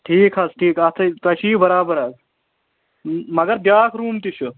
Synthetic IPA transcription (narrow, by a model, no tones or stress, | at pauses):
ʈʰiːkʰɐsʈʰiːkɐt̪ʰɐt̪ɐʃiːbɐɾaːbɐɾɐs | mɐɡɐɾd̪jaːkʰɾuːmt̪iʃʰu